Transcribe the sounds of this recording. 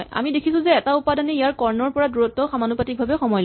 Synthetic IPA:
ja̰midekʰisʊ̃zɛːtaupadanɛijaɹkɔɹnɔɹpɔɹaduɹɔtːɔxamanupatik̚bʱabɛxɔmɔjl

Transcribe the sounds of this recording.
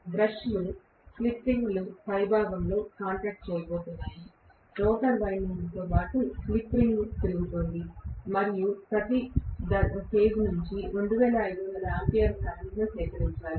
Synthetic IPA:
bɾɐʃlu | klipɾiŋɡlupɐjbʱaːɡɐmlo̞ːkaːɳʈɾaːk̚ʈ̚t͡ʃɛːjɐbɔːt̪und̪i | ɾɔːʈɐlʋɐjniŋst̪oːpaːʈuklipɾiŋɡut̪iɾuɡt̪oːnd̪imɐɾijupɾɐt̪id̪ɐkeːd͡ʒnuɲt͡ʃiɾo̞ɳɖuʋɛːlɐːjd̪uʋɐnd̪ɐlɐempijɐɾsaːniɡɐsɛːkɐɾiɲt͡ʃaːɾi

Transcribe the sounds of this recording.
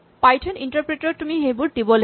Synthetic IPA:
pajʈʰɔniɳʈəɾpɾeʈot̪umiɦejbuɾɖibɔl

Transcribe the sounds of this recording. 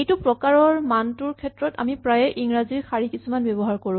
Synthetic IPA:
ejtʊpɹɔkaɹɔɹmantuɹkʰɛtɹɔta̰mipɹajɛʔiŋɹaziɹxaɹikisumanbɛbɔɦaɹkoɹʊ̃

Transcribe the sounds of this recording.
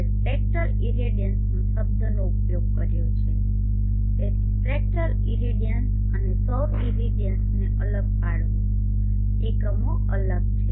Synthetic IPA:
spɾek̚ʈəɾiɾiɖijənsnũsəb̚d̪ʱənoupjoɡpkəɾjot͡ʃʰe | e | pɾek̚ʈəɾ | iɾiɖijəns | ənesəʋ | ĩɾiɖijənsneʔələɡ̚paɽʋi | ekəmo | ələɡt͡ʃʰe

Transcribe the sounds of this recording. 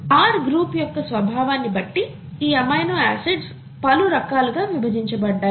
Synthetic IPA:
aːɾɡɾuːpjɔkːɐsʋɐbʱaːʋaːnːibɐʈːi | iːɐmɐjnoːæːseɖs | pɐluɾɐkaːluɡaːʋibʱɐd͡ʒiɲt͡ʃɐbɐɖːaː

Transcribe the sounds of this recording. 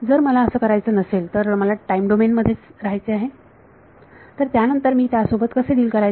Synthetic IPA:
d͡zəɾməlaəsəːkəɾajt͡səːnəselt̪əɾməlaʈaimɖomenməd̪ʱːjet͡sɾaɦajt͡seaɦe | t̪əɾt̪janənt̪əɾmiːt̪jasobət̪kəsediːlkəɾaj

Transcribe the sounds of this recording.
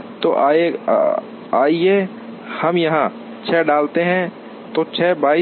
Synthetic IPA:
t̪oʔ | aːie | hɐmjɐɦã | t͡ʃʰɛːɖaːlt̪eɦɛ̃ | t̪ot͡ʃʰɛːbaːi

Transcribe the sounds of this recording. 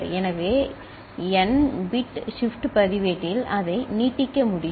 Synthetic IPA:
ɾɛnɐʋeː | ɛnbɪʈʂɪfʈpɐðɪʋeʈːɪlɐðɐɪniːʈːɪkːɐmʊɽɪ

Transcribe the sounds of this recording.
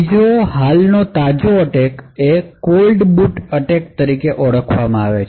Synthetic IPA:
d͡ʒoɦalnot̪ad͡ʒoəʈekekolɖbuʈəʈek̚t̪əɾikeʔɔɽəkʰʋamãaʋet͡ʃ

